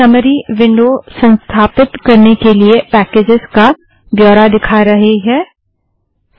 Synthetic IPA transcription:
ɐməɾiʋɪ̃ɳɖosɐ̃nst̪ʰaːpɪt̪kɐɾnekeliepɛːkeːd͡ʒɪska | bjɔːɾad̪ɪkʰaɾɐɦeɦɛː

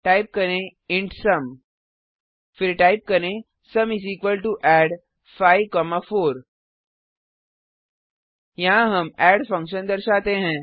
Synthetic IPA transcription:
ʈaːɪp̚kɐɾẽ | ɪ̃ɳʈsɐm | fɪɾʈaːɪp̚kɐɾẽ | sɐmɪziːkʋəlʈuʔɛːɖ | faːɪʋkɔːmafoːɾ | jɐɦãɦɐmɛːɖfɐ̃ŋkʃə̃nd̪ɐɾʃaːt̪eɦɛ̃ː

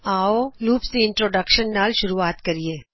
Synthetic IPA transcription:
aːoluːpseɪ̃ɳʈɾoːɖəkʃənːaːlʃʊɾuaːt̪kɐɾieː

